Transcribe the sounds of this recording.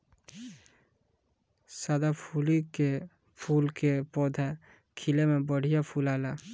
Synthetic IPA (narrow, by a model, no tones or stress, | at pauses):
sad̪apʰuːlike | pʰuːlkepɔːd̪ʱa | kʰɪlemẽbəɽ̤ijapʰuːlaːla